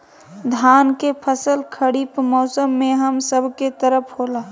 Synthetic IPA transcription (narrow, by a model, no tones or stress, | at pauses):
d̪ʱaːnkepʰəsəlkʰəɽiːpmɔːsəmːẽɦəmsəbʱket̪əɾəpʰɦoːla